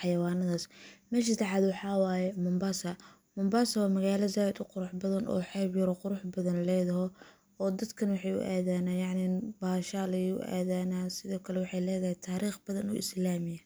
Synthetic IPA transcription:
ħɑjɐwɑːnɐðaːsmɛːʃ̬ɪt̪ʰɐħɑd̪wɑħɑːwaːjɛmʊmbasɐ | mʊmbaːsɐwɑːmɐɣaːlɐzaːwɛd̪ʊqʊɾʊħbɐðɐnʔɔ̰ːħɛːbjɐɾɔqʊɾʊħbɐðɐnlɛːðɐɦɔ | ɔːd̪ɐd̪kʰɐnwɑħɑjʊ̰ʔaːðaːnaːjɑʕnɪnbaːʃalɐjʊ̰ʔa̰ːðaːnaːsɪðɔːkʰɐlɛwɑħɑjlɛːðɐhɛjt̪ʰaːɾiːχbɐðɐnʊ̰ʔɪ̰slaːmɪjɐ

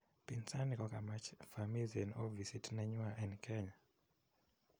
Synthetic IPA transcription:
pinsanikɔkamat͡ʃfamiliɛnɔvisitnaɲwaʔɛnkʰɛɲa

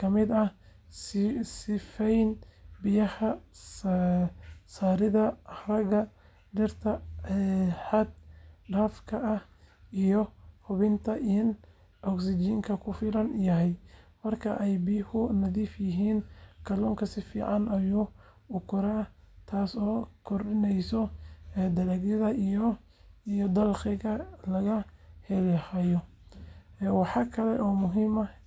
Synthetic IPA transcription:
kʰɐmɪd̪ɐ | ssɪfɛjnbɪjɐhɐ | saːɾɪðɐrɐɣɐ | ɖɪrt̪ʰɐɛħɐd̪̚ɖaːfkʰɐʔɐh | ijɔhʊβɪnt̪ʰɐʔin | ʔɔksɪd͡ʒiːŋkʰɐkʰʊfɪlɐnjɐɦɛjmɐrkʰɐʔɛjbiːhʊnɐðiːfjɪɦiːnkʰɐlɔːŋkʰɐsɪfḭːʕɑnɐjuː | ʊkʰʊɾɛ | t̪ʰaːsɔːkʰɔrɗɪnɛjsɔɛd̪ɐlɐɡjɪðɐijɔ | ijɔd̪ɐlqɪɣɐlɐɣɐhɛlhɐjɔ | wɑħɑːkʰɐlɛʔɔːmʊɦiːmɐ

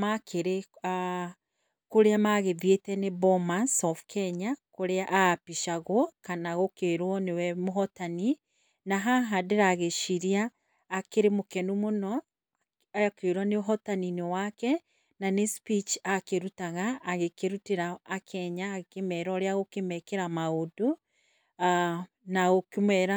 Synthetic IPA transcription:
makʰeɾe | a | koɾeamaɣeðietɛnebɔmansɔfkʰɛɲakoɾeaʔapiʃaɣwɔkanaɣokeɾwɔnewɛmoɦɔtani | naɦaɦadeɾaɣeʃiɾiaː | keɾemokɛnumonɔ | ajakeɾwɔneoɦɔtaninewakɛ | nanespit͡ʃakeɾutaɣaːɣekeɾuteɾaːkʰɛɲaɣekemɛɾɔɾeaɣokemɛkeɾamaodo | a | naɣokemɛɾa

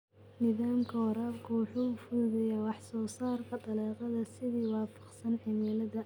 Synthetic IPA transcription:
nɪðaːmkʰɐwɑɾaːbkʰʊwɑħuːfʊːðɛjɛwɑħsɔːsaːrkʰɐd̪ɐlɛːqɑðɐsɪðiːwɑːfɑ̥qsɐnʕɪmɛːlɐðɐ

